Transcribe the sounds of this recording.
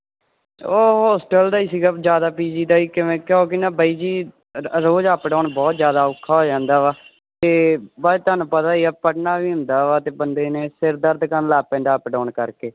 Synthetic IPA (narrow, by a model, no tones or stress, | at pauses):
oːɦɔːsʈəld̪aːiːsiːɡaːd͡ʒjaːd̪aːpiːd͡ʒiːd̪aːiːkɪʋẽːkjoːk̬ɪnaːbiːd͡ʒiː | ɾoːd͡ʒaːpɖɔːɳbɔːt̪zjaːd̪aːʊkʰːaːɦoːd͡ʒãːnd̪aːʋaː | t̪eːbad͡ʒt̪oanũːpət̪aːiːaːpəʈnaːʋiːɦʊ̃nd̪aːʋaːt̪eːbənd̪eːneːsɪɾd̪əɾd̪kənlaːpɛ̃ːɳɖaːpɖɔːɳkəɾkeː